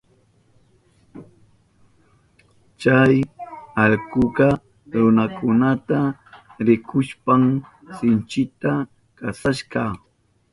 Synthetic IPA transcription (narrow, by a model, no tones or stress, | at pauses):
t͡ʃajɑʎkʊɢɑ | ɾʊnakʰʊnat̪aɾɪkʰʊʃpaŋ | sɪnt͡ʃɪt̪a | kasaʃɢɑ